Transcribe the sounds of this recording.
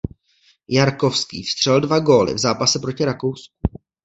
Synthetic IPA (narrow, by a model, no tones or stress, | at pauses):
jaɾkofskḭːfst̪r̝̥ɛldvaɡo̞ːlɪ̰vzaːpasɛpɾocɪɾako̞wsk̚u̥